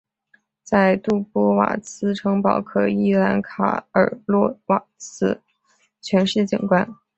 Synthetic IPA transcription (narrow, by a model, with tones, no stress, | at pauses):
t͡sa˥˧ɪt̪u˥˩pwɔ˥wa̰˨˩t͡sʰɹ̩˥ʈ͡ʂʰɤ˧˥ŋpɑ˨˩ʊkʰɤ˨˩i˥la˧˥nkʰa̰˨˩ə̰˞˨˩lwɔ˥˩wa˨˩t͡sʰɹ̩˥ | t͡ɕʰɥɛ˧˥nʂɻ̩˥˩t͡ɕḭ˨˩nkwa˥n